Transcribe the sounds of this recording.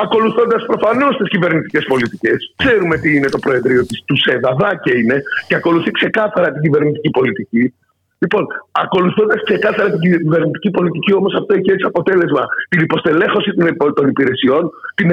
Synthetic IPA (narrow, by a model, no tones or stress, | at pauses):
ɐko̞luθo̞nd̪ɐspɾo̞fɐno̞st̪iscive̞ɾnit̪i̥ce̞spo̞lit̪ice̞skse̞ɾume̞t̪iine̞t̪o̞pɾo̞e̞ðɾio̞t̪ist̪useðɐðɐceine̞ceɐko̞luθikse̞kɐθɐɾɐt̪iɟive̞ɾnit̪icipo̞lit̪ici | lipo̞nɐko̞luθo̞nd̪ɐskse̞kɐθɐɾɐt̪iɟive̞ɾnit̪i̥cipo̞lit̪icio̞mo̞sɐft̪oiçeesiɐpo̞t̪e̞le̞zmɐt̪inipo̞st̪e̞le̞xo̞sit̪t̪o̞nipiɾe̞sio̞nt̪in